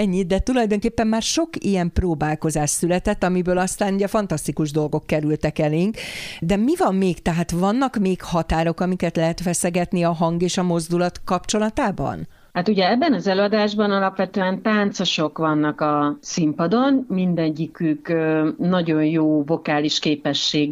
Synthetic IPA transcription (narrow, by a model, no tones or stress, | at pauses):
ɛɲːid̪ɛt̪ulɒjd̪o̞ŋkeːpːɛmːaːrʃo̞kijɛmproːbaːlko̞zaːʃsylɛt̪ɛt̪ːɒmibøːlɒst̪aːnuɟɛfɒnt̪ɒst̪ikuʒd̪o̞lɡo̞kːɛɾylt̪ɛkɛleŋkd̪ɛmivɒmːeːkt̪ɛɦaːt̪vɒnːɒkmeːkhɒt̪aːɾo̞kɒmikɛt̪lɛɦɛt̪ʋɛsɛɡɛt̪niɒɦɒŋɡeːʃɒmo̞zd̪ulɒt̪kɒpt͡ʃo̞lɒt̪aːbɒ̰n | hat̪uɟɛɛbːɛnɒzɛløːɒd̪aːʒbɒnɒlɒpʋɛt̪øːɛnt̪aːnt̪soʃo̞kʋɒnːɒkɒsimpɒd̪o̞nmind̪ɛɲːikykːnɒɟo̞njoːvo̞kaːliʃkeːpɛʃːeːɡ